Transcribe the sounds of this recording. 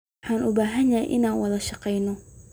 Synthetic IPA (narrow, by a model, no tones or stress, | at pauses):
ħaːnʊbaːɦɐnjɐjʔɪ̰naːnwɐðɐʃɑqɛjnɔ